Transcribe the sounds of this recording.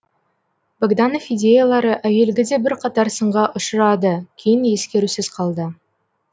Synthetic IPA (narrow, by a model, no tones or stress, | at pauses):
baɡd̪ɑnofijd̪ʲe̞jalˠɑɾəʔæje̞lɡʲɪd̪e̞bɪɾqʰɑt̪ɑɾsəɴʁɑʔʊʃəɾɑd̪əkʲʰejɪnje̞skʲe̞ɾusɪzqʰɑlˠd̪ə